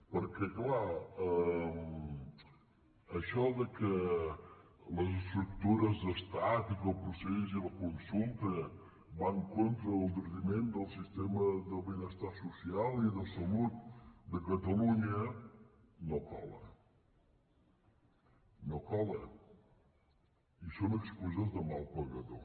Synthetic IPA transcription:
pəɾkɛklaə | ʃɔðəkə | ləzəst̪ɾuk̚t̪uɾəzðəst̪at̪ikəlˠpɾuseziləkunsulˠt̪ə | baŋkont̪ɾəːlˠd̪əɾðimend̪əlˠsist̪eməðəβənəst̪aɾsusialˠiðəlˠsəlut̪̚d̪əkət̪əluɲə | nokɔ̰lə̰ | nokɔlə | isonəkspuzəzðəmalˠpəɣəðo̰

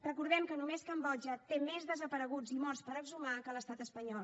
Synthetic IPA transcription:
rəkuɾðɛmkənumeskəmbɔld͡ʒət̪emezðəzəpəɾəɣud͡zimɔrspəɾəɡzumakələst̪at̪əspəɲɔlˠ

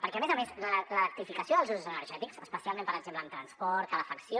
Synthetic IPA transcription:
pəɾkɛəmezəmesrələəɾt̪ifikəsjoðəlˠzuzuzənəɾʒɛt̪iksəspəsialˠmempəɾəɡzempləːmt̪ɾənspɔɾt̪ələfəksjo

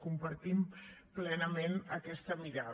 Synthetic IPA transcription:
kumpəɾt̪implɛnəmenəkɛst̪əmiɾa

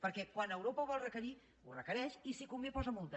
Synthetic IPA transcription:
pəɾkɛkwanəwɾopəβ̞ɔlˠrəkəɾi | urəkəɾɛʃisikumbepɔzəmolˠt̪ə

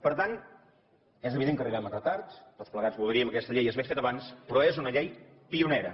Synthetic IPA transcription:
pəɾt̪an | ɛzəβiðeŋkəriβamət̪ɾət̪aɾst̪ospləɣad͡zβulˠd̪ɾiəməkɛst̪əʎejəzβefet̪əβanspɾɔezunəʎej | piunɛɾə

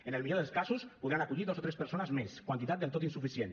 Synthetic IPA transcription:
enelˠmiʎoðelˠskazuspuðɾanakuʎiðosot̪ɾespəɾsonəzmeskwant̪it̪at̪̚elˠt̪ot̪insufisjen

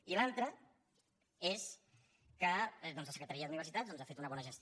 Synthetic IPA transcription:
ilalˠt̪ɾə | es | kəd̪ɔnzləsə̥kɾət̪aɾiəðuniβərsit̪at̪dɔnzafet̪unəβɔnəʒəst̪

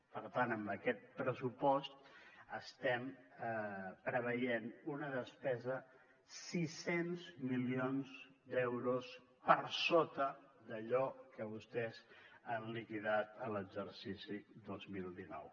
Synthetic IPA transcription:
pəɾt̪anəmbəkɛt̪̚pɾəsupɔst̪əst̪ɛm | pɾəβ̞əjenunəðəspɛzə | sisenzmilionzd̪ɛwɾus | pəɾsot̪əd̪əʎɔkəβust̪ɛzanlikiðat̪ələɡzəɾsisid̪ozmilˠd̪inɔ̰w

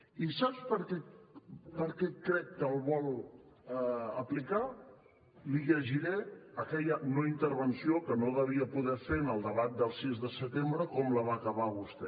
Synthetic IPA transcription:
isapspəɾkɛ | pəɾkɛkɾɛkːəlˠβɔlˠ | əplika | liʎəʒiɾɛəkɛʎənoint̪əɾβənsiokənoðəβ̞iəpuðɛfenəlˠd̪əβat̪̚d̪əlˠsizðəsət̪embɾəkɔmləβ̞akəβaβust̪ɛ

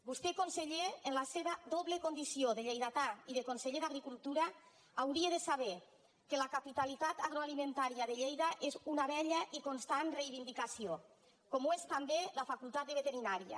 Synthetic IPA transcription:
bust̪ekonseʎeːnlaseβaðoβlekond̪isioðeʎejðat̪aiðekonseʎeðaɣɾikulˠt̪uɾaː | wɾieðesaβe | kelakapit̪alit̪at̪aɣɾoalimẽnt̪aɾiaðeʎejðaʔezunaβɛʎaʔikonst̪anrejβind̪ikasio | komoest̪ambelafakulˠt̪at̪̚d̪əβet̪eɾinaɾia̰

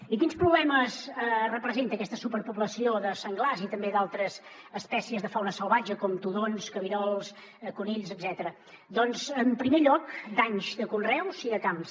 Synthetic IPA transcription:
ikinspɾuβlɛməzərəpɾəzent̪əːkɛst̪əsupəɾpuβləsioðəsəŋɡlazit̪əmbed̪alˠt̪ɾəz | əspɛsiəzðəfawnəsəlˠβad͡ʒəkɔmt̪uðonskəβiɾɔlˠs | kuniʎzəd̪zɛt̪əɾə | d̪ɔnzəmpɾimeʎɔkd̪aɲzd̪əkunrɛwziðəkams

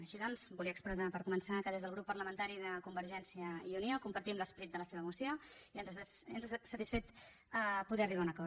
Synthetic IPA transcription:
əʃiðɔnzbuliəkspɾəzapəɾkumənsakəðezðəlˠɣɾupːərləmənt̪aɾiðəkumbəɾʒɛnsiəiuniokumpəɾt̪iəmləspəɾit̪̚d̪ələseβəːmusioiənzənzsət̪isfet̪ | puðɛəriβaunəkɔ

